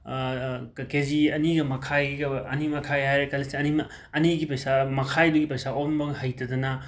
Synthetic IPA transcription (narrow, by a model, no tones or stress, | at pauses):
keziɐniɡɐmɐkʰajɡɐɐnimɐkʰajɦajɾekɐlisiɐnim | ɐniɡipɐjsamɐkʰajbɐɡipɐjsaombɐŋhɐjtɐdɐnɐ